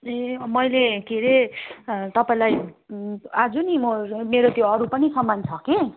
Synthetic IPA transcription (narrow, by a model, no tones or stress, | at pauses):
emʌjlekiɾe | t̪ʌpaĩlaj | ad͡zunimomeɾot̪joʌɾupʌnisʌmːant͡sʰʌke